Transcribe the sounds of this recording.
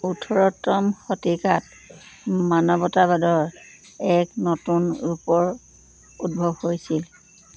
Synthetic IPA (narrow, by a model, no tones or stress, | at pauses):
utʰɔɹɔtɔmxɔtikat | manɔbɔtabadɔɹ | ɛknotunupɔɹ | ut̚bʱɔbhojsil